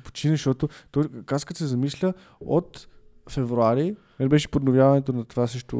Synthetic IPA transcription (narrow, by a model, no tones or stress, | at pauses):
po̥t͡ʃinəʃt̪ɔt̪ʊt̪ɔjkaskət̪sɛzɐmislʲə | o̰t̪fɛvɾuaɾi | mɛnbɛʃɛ̥pod̪novʲjavɐnɛt̪onɐt̪ovasɤʃt̪ʊ̰